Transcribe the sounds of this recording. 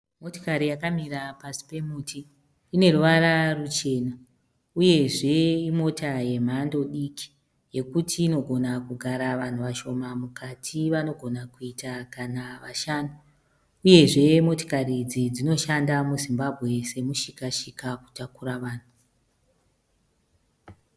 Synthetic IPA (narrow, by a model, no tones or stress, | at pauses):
mo̞to̥kaɾijakamirapasi̥pe̞muːtʰiː | ne̞ruʋaɾarut͡ʃe̞ːna | uje̞ʐe̞imo̞taje̞m̤ando̞ɗikʰi̥ | je̞kutʰiːno̞ɡʱo̞nakuɡʱaɾaʋan̤uʋaʃo̞mamukʰatʰiʋano̞ɡʱo̞nakuitakanaʋaʃaːno | uje̞ʐe̞mo̞to̥karid͡zid͡zino̞ʃandamuzimbabʱɣe̞se̞muʃikaʃikaku̥takuɾaʋaːn̤u